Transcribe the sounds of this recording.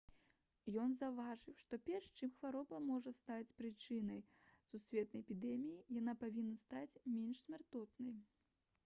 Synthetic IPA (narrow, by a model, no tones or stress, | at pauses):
jɔnzɐwvaʐɨwʂt̪ɔpʲɛrʂt͡ʂɨmxvaɾɔbɐmɔʐɐst̪at͡sʲpɾɨt͡ʂɨnɐj | susʲvʲɛt̪̚nɐjɛpʲid̪ɛmʲijijan̪apavʲinːɐst̪at͡sʲmʲɛnʂsʲmʲart̪ɔt̪nɐj